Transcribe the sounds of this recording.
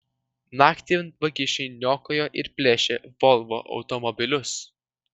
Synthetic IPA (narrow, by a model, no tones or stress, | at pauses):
nɑːkʲt̪ʲinʋɐkʲɪʃʲɛɪnʲoːkoːjoːʔɪɾpʲlʲæːʃʲeʋɔlˠʋo̰ːʔɒ̰ʊt̪ɔmɔbʲɪlʲʊs